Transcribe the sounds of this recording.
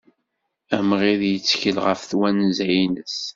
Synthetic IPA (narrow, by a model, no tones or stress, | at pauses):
æmʁiðjət͡sːçəlʁəfθwænzæjinəs